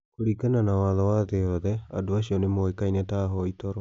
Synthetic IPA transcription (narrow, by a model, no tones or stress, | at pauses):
koɾikananawaðɔwaðeɔðɛa̰doas̬iɔnemoekainɛtaɦɔitɔɾɔ